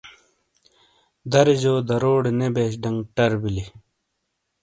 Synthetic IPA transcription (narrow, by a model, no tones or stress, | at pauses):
d̪ɐɾiʑoːd̪ɐɾoːɽnebeːɕ̬ɖɐŋɡʈɐɾbili